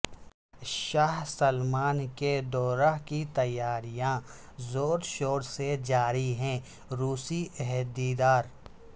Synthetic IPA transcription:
ʃaːɦsəlmaːnked̪ɔːɾaɦkit̪ɐjːaːɾijã | zoːɾʃoːɾsed͡ʒaːɾiɦɛ̃ | ɾuːsiʔɛɦɛd̪iːd̪aːɾ

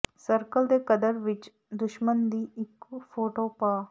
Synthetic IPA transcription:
sɐɾkəld̪ekɐd̪əɾʋit͡ʃ | d̪uʃmɐnd̪iːikːufʰoːʈoːpaː

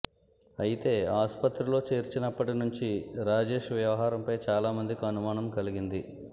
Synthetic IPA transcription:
ɐjit̪e̞ːaːspɐt̪ɾulo̞ːt͡ʃeːɾt͡ʃinɐpːɐʈinuɲt͡ʃiɾaːd͡ʒe̞ːʂʋjɐʋɐɦaːɾɐmpɐjt͡ʃaːlaːmɐnd̪ikiɐnumaːɳɐmkɐliɡind̪i

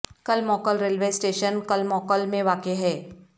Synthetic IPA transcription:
kɐlmɔːkəlɾeːlʋeːsʈeːʃənkəlmɔːkəlmẽʋaːkeɦɛː

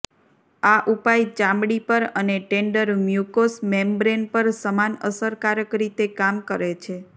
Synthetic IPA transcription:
aʔupajt͡ʃãmɽipəɾəneʈeɳɖəɾmjukosmembɾenpəɾsəmanəsəɾkaɾəkɾit̪ekamkəɾet͡ʃʰe

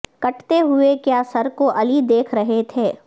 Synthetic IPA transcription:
kɐʈt̪eɦʊekjaːsɐɾkoʔɐlid̪eːkʰɾɐɦet̪ʰeː

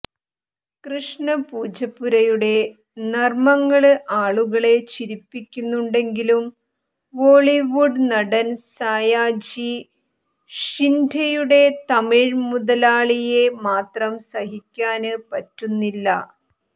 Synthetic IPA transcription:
krɨʂɳɐpuːd͡ʑɐpːuɾɐjuɽe̞ | nɐrmɐŋːɐɭɨʔaːɭuɣɐɭe̞t͡ɕiɾipːikʲːunːuɳɖe̞ŋɡilum | ʋo̞ːɭiʋuɖnɐɽɐnsaːjaːd͡ʑi | ʂindʱɐjuɽe̞t̪ɐmiɻmuðɐlaːɭije̞maːt̪rɐmsɐɦikʲːaːnɨpɐtːunːilːɐ

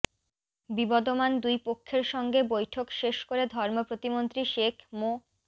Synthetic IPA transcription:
bibɔd̪omand̪ujpokʰːeɾʃɔŋɡebojʈʰokʃeʃkoɾed̪ʱɔɾmopɾot̪imont̪ɾiʃekʰmo

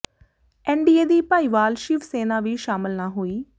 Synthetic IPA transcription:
ɛ̃ːɳɖieːd̪iːpaːiːʋaːlʃɪʋseːnaːʋiːʃaːmɪlnaːɦoːiː

